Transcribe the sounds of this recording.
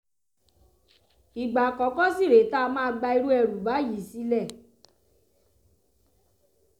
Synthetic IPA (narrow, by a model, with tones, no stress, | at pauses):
i˨ɡ͡ba˨kɔ˨˦kɔ˦si˦˨ɾe˨˦ta˦˧mãː˦˧˦ɡ͡ba˧i˧ɾu˦ɛ˧˨ɾu˨ba˨˦ji˨˦si˧˦lɛ˦˨